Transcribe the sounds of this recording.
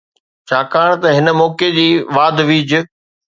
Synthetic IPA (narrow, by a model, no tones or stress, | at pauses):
t͡ɕʰaːkaːɽ̃t̪ɐɦɪnə̆mɔːked͡ʑiːʋaːd̪ʋiːd͡ʑʊ